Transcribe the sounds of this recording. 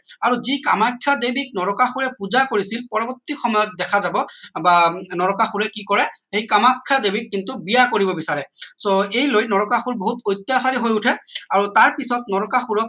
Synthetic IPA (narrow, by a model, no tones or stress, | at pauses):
aɹuzika̰makʰːjadebik̚nɔɹɔkaxuɹɛpuzakoɹisilpɔɹɔbɔtːixɔmɔjɔt̚dɛkʰazabɔbanɔɹɔkaxuɹɛkikɔɹɛxejkamakʰːadebikːintubijakoɹibɔbisaɹɛsoejlojnɔɹɔkaxuɹboɦutɔjtːjasaɹiɦojutʰɛaɹutaɹpisɔtnɔɹɔkaxuɹɔk̚